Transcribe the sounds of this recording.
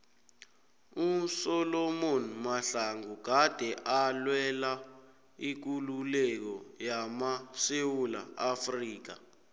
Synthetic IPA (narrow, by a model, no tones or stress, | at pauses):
usɔlɔmonmaɬaŋuɡ̥ʱad̥ʱɛʔalwɛla | ik̬ululɛk̬ɔjamasewula̰afriːk̬a